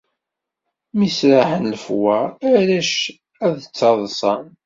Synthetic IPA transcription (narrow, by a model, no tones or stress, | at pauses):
misɾaħənləfwæːɾæʃ | æðt͡sːɑðˤsˤɑn